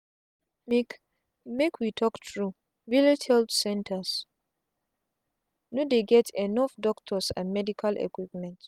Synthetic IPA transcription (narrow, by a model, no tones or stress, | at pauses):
mek | mekwitʰɔktʰɹu | vilitʰhɛldsɛ̃ntʰas | nodeɡɛtʰɛnɔfdɔktʰɔsã̰nmɛdikʰalʔɛ̰kwipmɛ̃nt